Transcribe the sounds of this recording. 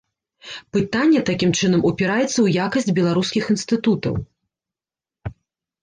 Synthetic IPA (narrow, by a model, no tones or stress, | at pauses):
pɨt̪anʲːɛt̪akʲimt͡ʂɨnɐmupʲɛɾajɛt̪sːɐwjakɐsʲd͡zʲbʲɛlˠaɾuskʲixinst̪ɨt̪ut̪ɐ̰w